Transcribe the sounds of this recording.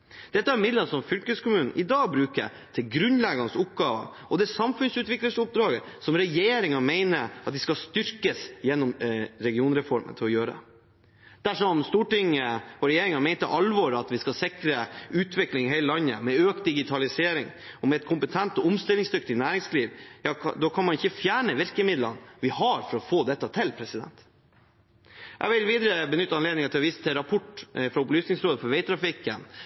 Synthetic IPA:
d̪̥ɛt̪ːəæɾmɪd̪ləsɔmfʏlkəskʊmʉːnn̩ʔɪd̪ɑːɡbɾʉːkə̰ | t̪ʰɪlɡɾʉnlɛɡɑnəsʊpɡɑːʋə̰ | ɔd̪ɛsɑmfʉnsʉːt̪ʋɪkləsʊp̚d̪ɾɑːɡəsɔmɾɛjeːɾɪŋɑmeɪnəɾɑt̪ʋɪskɑst̪ʏɾkəsjɛnːɔmɾɛɡɪuːnɾɛfɔɾmə̰nt̪ʰɪlɔjøːɾəd̪ɛ̰ | d̪̥æʂɔmst̪uːʈɪŋːəɔɾɛjeːɾɪŋɑmɛɪt̪əʔɑlʋɔɾɑt̪ʋɪskɑsɪkɾəʉːt̪ʰʋɪklɪŋɦæɪləlɑnːə̰mɛøːk̚t̪̚d̪ɪɡɪt̪ʰɑlɪseːɾɪ̰ŋ | ɔmɛt̪kʰʊmpət̪ʰɛnt̪ɔʊmst̪ɪlːɪŋsd̪ʏkt̪ɪnæːɾɪŋsliːʋjɑd̪ɔkʰɑnmɑnɪçəfjæːɳəʋɪɾkəmɪd̪lɑnʋɪhɑɾfɔɾɔfoːd̪ɛt̪ːət̪ʰɪlpʰɾɛsɪd̪ɛ̰nt̪ | ʔæ̰ʋɪlʋiːd̪əɾəbənʏt̪ːəɑnleːd̪nɪŋɑt̪ʰɪlɔʋiːsət̪ʰɪɾɑpʰɔʈːfɾɑʊplyːsnɪŋsɾoːd̪əfɔɾʋɛɪt̪ʰɾɑfɪkːən

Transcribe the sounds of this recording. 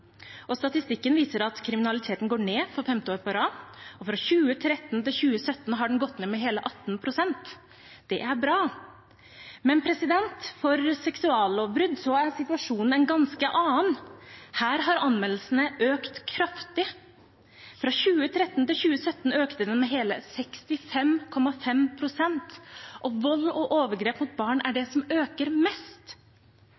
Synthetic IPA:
ɔst̪ɑt̪ɪst̪ɪkːənʋiːsəɾɑt̪kʰɾɪmɪnɑlɪt̪ʰeːt̪n̩ɡoːɳeːfɔɾfɛmt̪ɪoːɾpɑɾɑːɔfɾɑɕʉːət̪ʰɾɛt̪ːnt̪ɪlçʉːəsœt̪ːn̩ɦɑɖɛnɡɔt̪ːneːmɛɦeːləʔɑt̪ːnpʰɾʊsɛnt̪ | d̪̥ɛʔæɾbɾɑː | mɛnpʰɾɛsɪd̪ɛnt̪fɔɾsɛksʉɑːloːbɾʉd̪sɔæɾsɪt̪ʉɑʂuːnn̩ɛnɡɑnskəʔɑːnhæːɾɦɑɾɑnmɛlːl̩sn̩əʔøːkt̪kʰɾɑft̪ɪ | fɾɑɕʉːət̪ʰɾɛt̪ːnt̪ɪlçʉːəsœt̪ːn̩øːkt̪əd̪ɛnmɛɦeːləsɛkst̪ɪfɛmkʰɔmɑfɛmpʰɾʊsɛnt̪ʔɔʋɔlːɔʔoːʋəɾɡɾeːpmʊt̪̚bɑːɳæɖɛsɔmøːkəɾmɛst̪

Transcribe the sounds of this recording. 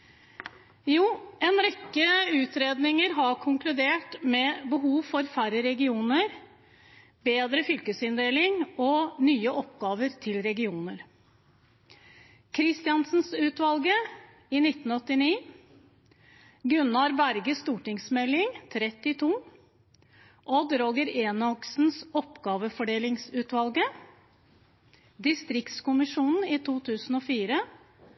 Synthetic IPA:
juːɛːnɾɛkːəʉːt̪ʰɾeːd̪nɪŋəɾɦɑkʰʊŋklʉd̪eːʈmɛːbəɦuːʋfɔɾfæɾəɾɛɡɪuːnəɾ | beːd̪ɾəfʏlkəsɪnd̪eːlɪŋɔnyːəʔɔpɡɑːʋəɾt̪ʰɪlɾɛɡɪuːnəɾ | kʰɾɪst̪ɪɑnsn̩sʉːt̪ʋɑlɡə | iːnɪt̪ːn̩ɔt̪ːɪniː | ɡʉnɑɾbæɾɡəst̪uːʈɪŋsmɛlɪŋt̪ʰɾɛt̪ɪt̪ʰuː | ʔɔd̪ɾoːɡəɾeːnɔksn̩sɔpɡɑːʋəfɔɖeːlɪŋsʉːt̪ʋɑlɡə | d̪ɪst̪ɾɪkt̪skʊmɪʂuːnn̩iːt̪ʰuːt̪ʰʉːsn̩ɔːfiːɾə

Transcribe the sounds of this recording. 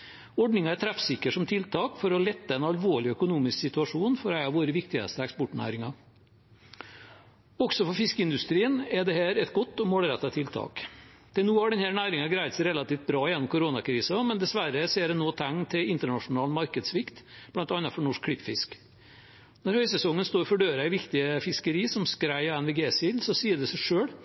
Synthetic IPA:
ɔɖnɪŋɑɛɾt̪ʰɾæfsɪkːəʂsɔmt̪ʰɪlt̪ʰɑːkfɔɾɔlɛt̪ːəɛnɑlʋoːɭɪœkʊnuːmɪsksɪt̪ʉɑʂuːnfɔɾæɪɑʋoːɾəʋɪkt̪ɪə̰st̪əɛkspɔʈɳæ̰ːɾɪŋɑ | ɔɡsɔfɔɾfɪskəɪnd̪ʉst̪ɾiːənɛd̪ɛhæːɾɛt̪ɡɔt̪ːɔmoːlɾɛt̪ːɑt̪ʰɪlt̪ʰɑ̰ːk | t̪ʰɪlnuːhɑɖɛnhæːɾɳæːɾɪŋɑɡɾæɪt̪sæɪɾɛlɑt̪iːft̪̚bɾɑːjɛnːʊmkʰʊɾoːnɑkʰɾiːsɑmɛnd̪ɛsʋæɾəseːɖɛnoːt̪ʰæŋːt̪ʰɪlɪnt̪əɳɑʂʊnɑːlnmɑɾkəd̪sʋɪkt̪b̥lɑnt̪ɑnɑfɔɳɔʂk̚ʰlɪpːfɪsk | nɔɾhœʏsɛsɔŋːənst̪oːɾfɔɖøːɾɑɪʋɪkt̪ɪəfɪskəɾiːsɔmskɾæɪɛnʋɪɡeːsɪlsɔsiːəɖɛsæʂøːɽ

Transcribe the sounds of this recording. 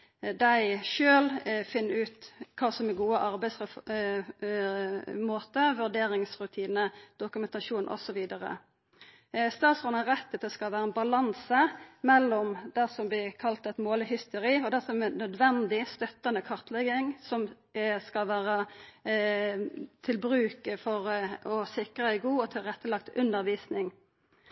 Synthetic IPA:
d̪æɪʃøːlfɪnːʉːt̪kʰɑːsɔmɛɡuːəʔɑɾbæɪsə | moːt̪əʋʉʁɖ̪eːɾɪŋsʁʉt̪ʰiːnəd̪̥ʊkʉmɛnt̪ɑʂuːnʔɔ̰sɔʋiːd̪ɑɾə̰ | st̪ɑːt̪sɔnɾɛt̪ːət̪ɛskɑlʋæːɾəɛnbɑlɑnsəmɛlːɔmd̪ɛsɔmblɪʁkʰɑlt̪ɛt̪moːləhʏst̪əɾiːɔd̪ɛsɔmɛnːœd̪ʋɛnd̪ɪst̪œt̪ːɑnəkʰɑʁt̪lɛɡɪŋsɔm | skɑlʋæːʁə | t̪ʰɪlbʁʉːkəfɔʁɔsɪkʁəæɪɡuːɔt̪ʰɪlʁɛt̪ːəlɑk̚t̪ʉnd̪əʁʋiːsnɪŋ

